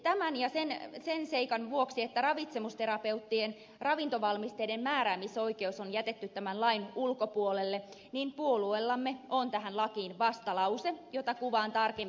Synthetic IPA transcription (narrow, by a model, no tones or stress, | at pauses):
t̪æmænjɑsensenseikɑnʋuoksiet̪ːærɑʋit̪se̞must̪e̞ɾɑpe̞ut̪ːien | rɑʋint̪oʋɑlmist̪eidemmæːɾæːmisːo̞ike̞usonjæt̪et̪ːyt̪ːæmænlɑinulkopuolelːe | niːmpuoluelːɑmːeont̪æɦænlɑkiːnʋɑst̪ɑlɑusejot̪ɑkuʋɑːnt̪ɑrkem